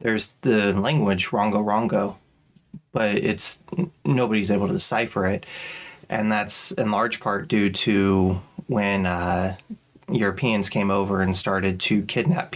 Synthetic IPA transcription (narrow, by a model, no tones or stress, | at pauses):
ðə˞zðɨlæ̃ŋɡwɨd͡ʒɹɑ̃ŋɡoʊɹɑ̃ŋɡoʊ | b̥ʌɾɪ̰tsnoʊbəɾizeɪbl̩ˠtʰɨsaɪfə˞ɪɾʔɨ̰̃nðætsɨ̃nlɑɹd̥ʒ̥pʰɑɹt̚d̥ʉɾɨ | wɨ̃n | jʊɹɨpʰiɨ̃nz̥kʰẽɪ̃moʊvə˞ɨ̃nstɑɹɾɨd̚tʰɨkʰɪdⁿnæ̰p